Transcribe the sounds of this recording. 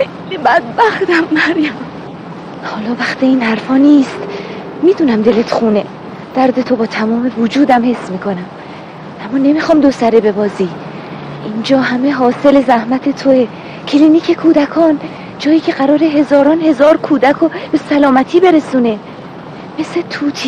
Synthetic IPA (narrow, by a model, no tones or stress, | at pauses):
xejlibæd̪̚bæxt̪æmːæɾjæm | hɒːlɒːvæxt̪iiːnhæɾfɒːniːst̪ | miːd̪uːnæmd̪e̞let̪χuːne | d̪̥æɾd̪et̪ʰo̞bɒːt̪ʰæmɒːme̞vod͡ʒuːd̪æmhe̞smiːkʰo̞næm | ʔæmːɒːne̞mixɒːmd̪osæɾebe̞bɒːziː | ʔind͡ʒɒːhæmeɦɒːse̞le̞zæhmæt̪ʰe̞t̪ʰoe | cʰeliːniːcʰe̞kʰuːd̪ækʰɒːn | d͡ʒɒːjiːcʰe̞ɢæɾɒːɾeɦe̞zɒːɾɒːnhe̞zɒːɾkʰuːd̪ækʰob̥e̞sælɒːmæt̪ʰiːbe̞ɾe̞suːne̞ | me̞set̪ʰuːt̪ʰiː